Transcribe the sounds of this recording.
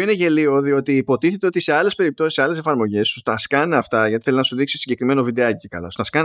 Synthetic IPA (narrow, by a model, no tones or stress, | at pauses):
ineʝe̞lio̞ðio̞t̪iːpo̞t̪iθe̞t̪e̞o̞t̪ise̞ɐlespe̞ɾip̚t̪o̞siseɐle̞se̞fɐɾmo̞ʝe̞st̪ust̪ɐskɐneɐft̪ɐʝɐt̪iθelznɐsuðiksi̥siɲɟe̞kɾime̞novid̪eɐcekɐ̰lɐ̰st̪ɐskɐn